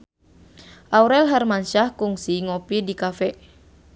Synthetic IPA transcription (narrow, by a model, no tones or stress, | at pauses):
ʔauɾɛlɦɛrmanʃahkuŋsiŋopidikafɛ